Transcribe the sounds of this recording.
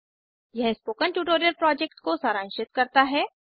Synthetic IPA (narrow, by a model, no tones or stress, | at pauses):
jɛɦspoːkəɳʈuːʈoːɾijəɾpɾɔːd͡ʒek̚ʈkosaːɾãːnʃɪt̪̚kɐɾt̪aɦɛː